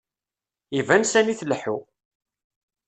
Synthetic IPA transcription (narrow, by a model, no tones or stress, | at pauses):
ivænsæniθlːħu